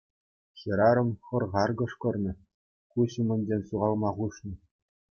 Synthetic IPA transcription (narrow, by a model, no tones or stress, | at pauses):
ɕɤ̆ɾɑɾɤ̆mχɤ̆rʁɑrɡɤ̆ʂkɤ̆rnʲɘ̆ | kuɕimʲɘ̆nʲd͡ʑʲenʲɕuʁɑlˠmɑʁuʂnɤ̆